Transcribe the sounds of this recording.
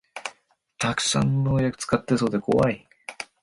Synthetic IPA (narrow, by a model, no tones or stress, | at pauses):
t̪ʰakɯ̟̥sã̰nːoːjakɯ̟̥t͡sɨ̥kat̪ːeso̞ːd̪e̞kʰo̞̰βai